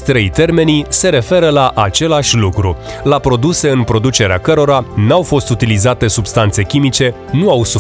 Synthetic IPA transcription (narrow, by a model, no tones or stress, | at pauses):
t̪ɾejt̪e̞rme̞nise̞ɾe̞fe̞ɾəlaʔat͡ʃe̞laʃʲlukɾu | lapɾo̞d̪use̞ɨnpɾo̞d̪ut͡ʃe̞ɾeakəɾo̞ɾanawfo̞st̪ut̪ilizat̪e̞subst̪ant̪se̞kʲimit͡ʃe̞ | nuawsu